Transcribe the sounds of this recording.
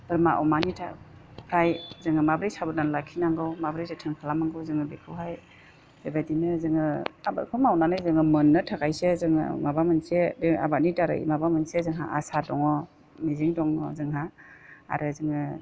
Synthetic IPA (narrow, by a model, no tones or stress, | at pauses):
bɯɾmaʔɔ̰manitʰa̰pʰɾajzɯŋɯmabɾajsabɯnanlakʰinaŋɡɯwmabɾejsetʰɯŋkʰalamaŋɡɯwzɯŋɯbekʰɯwɦaj | b̥ebajdinɯzɯŋɯaba̰kʰɯmawnanɯjzɯŋɯmɯnːɯtʰakʰajsezɯŋɯ̰mabamɯnsebea̰bat̚nidaɾɯ̰ʔḭmabamɯnsezɯŋɦa̰ʔasadɔŋɔ | miziŋdɔŋɔ̰zɯŋɦaa̰ɾɯzɯŋɯ